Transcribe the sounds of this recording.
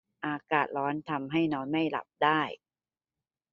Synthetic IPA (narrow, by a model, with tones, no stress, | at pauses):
ʔaː˧kaː˨˩t̪̚ɾɔː˦˥nt̪ʰa˧mɦa˥˩jnɔː˦˥nma˥˩jla̰˨˩p̚daː˥˩j